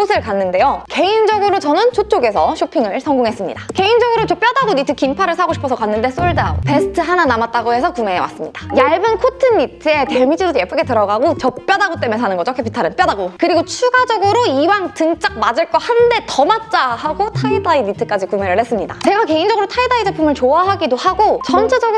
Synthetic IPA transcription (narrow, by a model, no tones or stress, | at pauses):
osʰɯɭkanːɯnde̞joke̞ind͡ʑʌɡɯɾot͡ɕʌnɯnt͡ɕʰot͡ɕ͈oɡe̞sʰʌɕʰopʰiŋɯɭsʰʌŋɡuŋɦe̞s͈ɯmɲḭdake̞ind͡ʑʌɡɯɾot͡ɕʌp͈jʌdaɡonitʰɯkimpʰaɾɯɭsʰaɡoɕipʰʌsʰʌkanːɯnde̞s͈oɭdaope̞sʰɯ̥tʰɯɦananamat̚t͈aɡoɦe̞sʰʌkumeewa̰s͈ɯmɲid̥ajaɭbɯnkʰotʰɯnːitʰɯe̞temid͡ʑʰidojep͈ɯɡe̞tɯɾʌɡaɡot͡ɕʌp̚p͈jʌdaɡot͈e̞mjensʰanɯnɡʌd͡ʑokʰepʰitʰaɾɯnp͈jʌdaɡokɯɾiɡot͡ɕʰuɡad͡ʑʌɡɯɾoiwaŋtɯŋt͡ɕ͈ak̚mad͡ʑɯɭk͈ʌhande̞tʌmat̚t͡ɕ͈ahaɡotʰaidainitʰɯk͈ad͡ʑikume̞ɾɯɭhe̞s͈ɯmɲidat͡ɕe̞ɡake̞ind͡ʑʌɡɯɾotʰaidaid͡ʑʌpʰumɯɭt͡ɕoaɦaɡidohaɡot͡ɕʌnt͡ɕʰed͡ʑʌɡɯ